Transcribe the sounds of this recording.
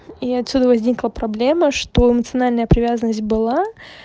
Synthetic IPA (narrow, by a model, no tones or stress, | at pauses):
iɐt̪sʲud̪əvɐzʲnʲiklˠəpɾɐblʲeməʂt̪oɪmət̪sɨɐnalʲnəjəpɾʲɪvʲazənːəsʲt̚ʲbɨlˠa